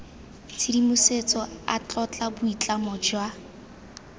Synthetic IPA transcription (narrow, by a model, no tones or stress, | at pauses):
t͡sʰidimʊset͡sɔa̰t͡ɬʼɔt͡ɬʼabʊit͡ɬʼamɔd͡ʒwa